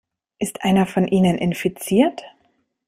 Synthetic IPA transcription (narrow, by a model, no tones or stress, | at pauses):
ʔɪstʰʔaɪnɐfɔnʔiːnənʔɪnfit͡siːɐt